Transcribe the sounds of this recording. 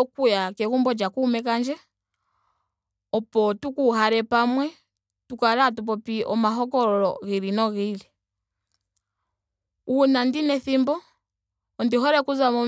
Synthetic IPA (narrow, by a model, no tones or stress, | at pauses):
ɔkujakɛɣumbɔd͡ʒakuːmɛk̬and͡ʒɛ | ɔpɔtukuɦaɾɛpamwɛ | tukaɾatup̬ɔpiɔ̰maɦɔkɔɾɔlɔ̰ɣiɾinɔɣili | unandinɛθimbɔː | ndiɦɔɾɛkuzamɔ